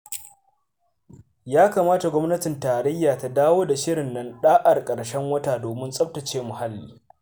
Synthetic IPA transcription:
jaː˦kaː˨maː˦ta˨ɡʷɔ˦mnɐ˦tɪ˨ntaː˨ɾɛ˦jːaː˨ta˦daː˦woː˦da˨ʃɪ˦ɽɪ˨nːɐ˦nɗaː˦ʔa˨rkʼɐ˨ɽʃɛ˦ŋwɐ˦taː˨doː˨mɪ˦nsʼɐ˦b̚tɐ˨t͡ʃeː˦mʊ˨ha˦lːḭː˨

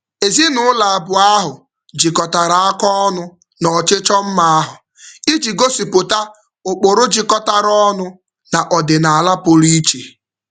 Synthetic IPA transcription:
e˨zi˦nʊ˦la˨bʊ˨a˦ɦʊ˨ | d͡ʒi˨kɔ˨ta˨ɾa˨a˦kɔ˦ɔ˦nʊ˦ | nɔ˨t͡ʃɪ˦t͡ʃɔ˦m̩˦ma˦a˦ɦʊ˨ | i˦d͡ʒi˨ɡo˦si˨pʊ˨ta˦ | ʊ˨k͡pʊ˨ɾʊ˦d͡ʒi˨kɔ˦ta˨ɾɔ˦nʊ˦ | na˨ʔɔ˨dɪ˨na˨a˨la˦pʊ˨ɾi˦t͡ʃe˨

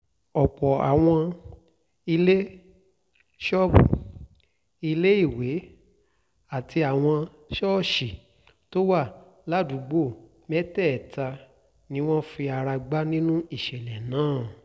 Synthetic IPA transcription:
ɔ˨k͡pɔ˨a̰˨w̃ɔ̃˧ | i˧le˦ | ʃɔ˦bu˨ | i˧le˦i˦˨we˨˦ | a˦˨ti˧a˨w̃ɔ̃˧ | ʃɔ˦˨ʃi˨ | to˦wa˦˨ | la˨˦dũ˨˦ɡ͡bo˦˨ | mɛ˦tɛ˦˨ɛ˨ta˧ | nĩ˦w̃ɔ̃˦fi˧a˧ɾa˧ɡ͡ba˦nĩ˦nũ˦i˦˨ʃɛ˨lɛ˨nãː˨˦˨

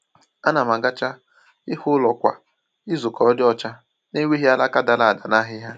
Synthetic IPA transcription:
a˦na˨ma˨ɡa˦t͡ʃa˦ | ɪ˦hʊ˦lɔ˨kʷa̰˨ | ɪ˦zʊ˨kɔ˨ɔ˦dɪ˦ɔ˦t͡ʃa˦ | ne˦we˦ɦi˦a˦la˦ka˦da˨la˨a˨da˨na˦ɦɪ˦ɦa˦

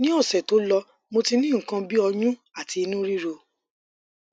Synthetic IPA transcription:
nĩ˦ɔ˦˨sɛ˨to˨˦lɔ˧ | mo˧ti˧nĩ˦˨ŋ̩˨kã˧bi˦ɔ˧jũ˦ | a˦˨ti˨˧i˧nũ˦ɾi˦ɾo˧

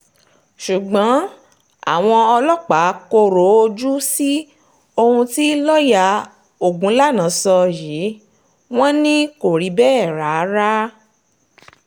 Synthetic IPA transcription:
ʃu˨ɡ͡bɔ̃˨˦ | a̰˦˨w̃ɔ̃˧ɔ˧lɔ˦k͡pa˨˦ko˧ɾo˨˦o˧d͡ʒu˦si˦ | o˧hũ˧ti˦lɔ˦ja˧ | o˨ɡũ˨˦la˦nã˨˦sɔ˧jiː˨˦ | w̃ɔ̃˦nĩ˦ko˨ɾi˨˦bɛː˦˨ɾa˨˦ɾa˦

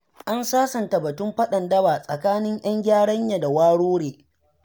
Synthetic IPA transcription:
ʔa˦nsaː˦sɐ˨nta˨bɐ˨tʊ˦mɸɐ˦ɗɐ˨ndɐ˦baː˨sʼɐ̰˨kaː˦nɪ˦ŋj̰ɐ˦ŋɡʲaː˦ɽɐ˦ɲja˨da˨waː˦ɽoː˦ɽeː˨

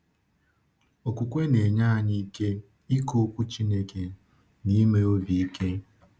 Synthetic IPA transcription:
o˨kʷu˨kʷe˦ne˨ɲa˦˨ɲi˦ke˦ | i˦ko˦kʷu˦t͡ʃi˦ne˦ke˨ | ni˦me˦o˦vi˨i˦ke˦

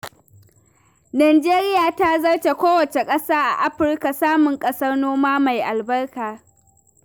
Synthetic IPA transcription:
naː˨d͡ʒeː˦ɾɪ˦jaː˨ta˦zɐ˦rt͡ʃe˨kʷoː˦wɐ˨t͡ʃe˨kʼɐ˦saː˦ʔa̰˨ʔa˦ɸɪ˦rka˨saː˦mʊ˨ŋkʼɐ˦sɐ˦rnoː˦maː˦ma˨jʔa˨lbɐ˦rkaː˨

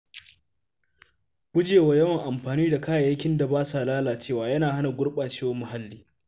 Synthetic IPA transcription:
kʷʊ˦d͡ʒeː˨wa˨jɐ˦wɐ˨ŋʔa˨mɸaː˨niː˦da˨kaː˦ja˨ja˦kʲɪ˦nda˨baː˦sa˨laː˦laː˨t͡ʃeː˦˨waː˨jɐ˦naː˨ha˦na˨ɡʷʊ˦ɽɓaː˨t͡ʃeː˦wo˦mːʊ˨ɦa˦lːiː˦

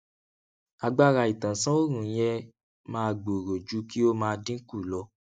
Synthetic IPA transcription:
a˧ɡ͡ba˦ɾa˧i˨tã˨sã˦o˦ɾ̃ũ˨˦jɛ˧ | mãː˦˧ɡ͡bo˨ɾo˨d͡ʒu˨˦ki˦o˦mãː˧dĩ˦ku˦˨lɔ˧

